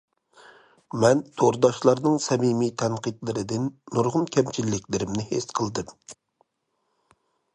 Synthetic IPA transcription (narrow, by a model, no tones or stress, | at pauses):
mɛnt̪ʰoɾd̪ɑʃlˠɑɾnɨŋsɛmimit̪ʰɛnqit̪lˠɨɾɨd̪ɨnːuɾʁʊnkʲʰɛmt͡ʃʰilːɪkʲlɪɾɪmnɪhesqʰəlˠd̪ɨm